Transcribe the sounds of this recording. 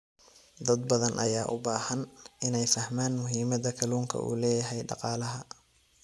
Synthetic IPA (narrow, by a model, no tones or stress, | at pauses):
d̪ɐd̪bɐðɐnʔɐ̰jaːʔʊbaːhɐnɪnɛjfɐhmaːnmʊɦiːmɐðɐkʰɐluːŋkʰɐ̰ʔṵːlɛːjɐɦɛjɖɑ̰qɑːlɐɦɐ